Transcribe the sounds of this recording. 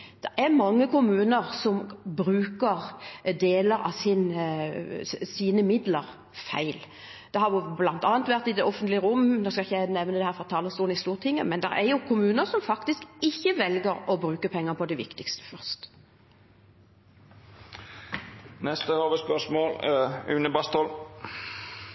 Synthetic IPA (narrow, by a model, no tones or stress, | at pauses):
d̪̥ɛɾɛʁmɑŋːəkʊmʉːnəɾsɔmbɾʉːkəʁd̪eːləɾɑ̰sɪn | siːnəmɪd̪ləɾ | fæ̰ɪl | d̪̥ɛhɑɾjʊblɑnt̪ɑːnt̪ʋæʁt̪ɪd̪ɛʔɔfənt̪lɪəʁʊmːnoskɑɪçːəjæɪnɛʋnəd̪ɛhæːɾfʁɑt̪ʰɑːləst̪uːnɪst̪uːʁt̪ʰɪŋːəmɛnd̪ɛ̰ɾɛ̰ɾjʊkʰʊmʉːnəɾsɔmfɑkt̪ɪskɪçːəʋɛlɡəɾɔbɾʉːkəpʰɛŋːəpʰɔd̪ɛʋɪ̰kt̪ɪkst̪ə̥fœʁst̪ | nɛst̪əhoːʋəspœʂmoːlʉ̰ːnəbɑst̪ɔl